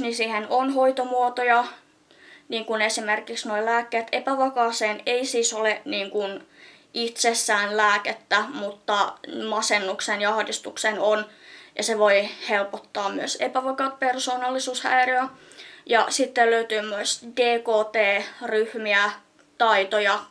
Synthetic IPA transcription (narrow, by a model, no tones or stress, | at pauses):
nisiːhenonhoit̪omuot̪ojɑ | niːŋkunesimerkiksnoilæːkːeːt̪epæʋɑkɑːseːneisiːsoleniːŋkun | it̪sesːæːnlæːket̪ːæmut̪ːɑmɑsenːuksenjɑɑhdist̪uksenonjɑseʋoihelpot̪ːɑːmmyøsḛpæʋɑkɑːt̪̚persoːnɑlːisuːshæ̰iryæ | jɑsit̪ːelløyt̪yːmmyøsd̥eːkoːt̪eːryhmiæ | t̪ɑit̪ojɑ